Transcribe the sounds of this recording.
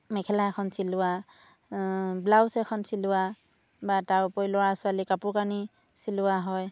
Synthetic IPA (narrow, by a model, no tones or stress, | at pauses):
mɛkʰɛlaɛkʰɔnsilʊa | blawsɛkʰɔnsilʊwa | batawpojlɔɹasʊalikapʊkani | silʊwaɦɔj